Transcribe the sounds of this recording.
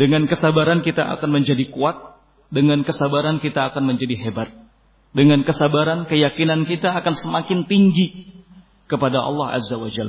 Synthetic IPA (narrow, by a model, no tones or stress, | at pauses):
dəŋankəsabaɾankit̪aʔa̰kanməɲd͡ʒadikuat̪̚ | dəŋankəsabaɾankit̪aːkanməɲd͡ʒadiɦebat̪̚ | dəŋankəsabaɾankəjakinankit̪aːkansəmakɪnt̪iŋɡi | kəpadaʔɑ̰lˠːɑha̰zːawad͡ʒa̰l